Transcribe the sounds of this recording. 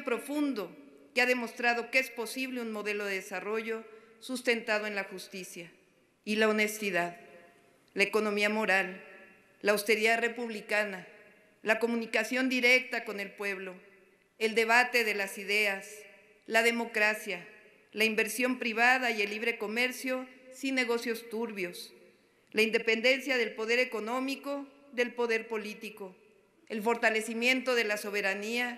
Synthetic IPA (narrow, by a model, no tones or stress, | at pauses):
pɾo̞fund̪o̞ | keaðe̞mo̞st̪ɾaðo̞kee̞spo̞siβ̞le̞unmo̞ðe̞lo̞ðeðesaro̞ʝo̞ | sust̪e̞nt̪aðo̞e̞nlaxust̪isja | ilaone̞st̪iðað | laeko̞nõ̞miamo̞ɾal | laawst̪e̞ɾiðare̞puβlikana | lako̞mũnikasjo̞nd̪iɾe̞k̚t̪ako̞ne̞lpwe̞βlo̞ | eld̪e̞β̞at̪e̞ðe̞lasiðeas | laðe̞mo̞kɾasja | laimbe̞ɾsjo̞mpɾiβ̞aðaje̞lːiβɾe̞ko̞me̞ɾsjo̞sinːe̞ɣo̞sjo̞st̪uɾβjo̞s | laind̪e̞pe̞nd̪e̞nsjaðe̞lpo̞ð̞e̞ɾe̞ko̞nõ̞miko̞ | ðe̞lpo̞ðe̞ɾpo̞lit̪iko̞ | e̞lfo̞ɾt̪ale̞simje̞nt̪o̞ð̞e̞laso̞β̞e̞ɾania